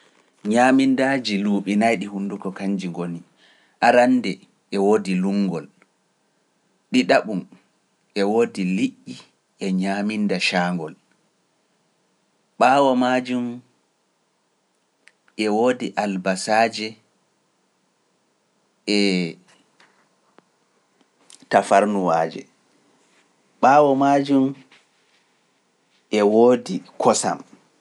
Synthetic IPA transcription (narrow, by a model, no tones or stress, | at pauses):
ɲamindaːd͡ʒiluːɓinajɗihundukɔkaɲd͡ʒiŋɡoni | ʔaɾandɛ | ʔɛwoːdiluŋɡɔl | ɗiɗaɓum | ʔɛwoːdiliʔːi | ʔɛɲamindaʃaːŋɡɔl | ɓaːwɔmad͡ʒum | ʔɛwoːdiʔalbasaːd͡ʒɛ | ʔɛ | tafaɾnuwaːd͡ʒɛ̰ | ɓaːwɔmad͡ʒum | ʔɛwoːdikʰɔsa̰m